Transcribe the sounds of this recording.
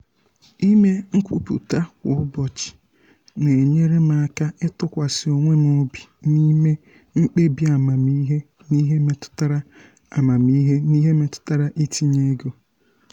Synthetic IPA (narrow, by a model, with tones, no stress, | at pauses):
i˦me˦ŋ̩˦kʷu˦pṵ˨ta˦kʷʊ˨˦ʊ˦bɔ˨t͡ʃɪ̥˨ | ne˨ɲe˦ɾe˦ma˨a˨ka˦ɪ˦tʊ˦kʷa˨sɪ˨o˨ŋʷe˦m˦o˦bi˨ni˦me˦ | ŋ͡m̩˦k͡pe˦bi˦a˨ma˨mi˦ɦe˦ | ni˦ɦe˦me˦tʊ̥˦ta˦ɾa˦ | a˨ma˨mi˦ɦe˦ni˦ɦe˦me˦tʊ̥˦ta˦ɾa˦ʔi˦ti˦ɲe˦ɡo˨